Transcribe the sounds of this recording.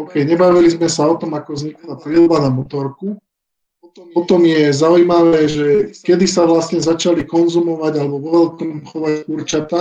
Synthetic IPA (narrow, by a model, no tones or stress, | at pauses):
ɔʊkɛjɲɛbaʋilizmɛsaɔt̪ɔmakɔzɲiklap̪ɾilbanamɔt̪ɔɾku | ɔt̪ɔmpɔt̪ɔmjɛzaujmaʋɛːʒɛkɛd̪isaʋlasɲɛzat͡ʃalikɔnzumɔʋaɟalɛbɔʋɔʋɛlkɔmxɔʋakuɾt͡ʃat̪a